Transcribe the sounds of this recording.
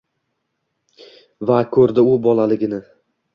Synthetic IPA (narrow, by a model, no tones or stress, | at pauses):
vakʰɵɾd̪ɪʊbɒlˠalɪɡʲɪnɪ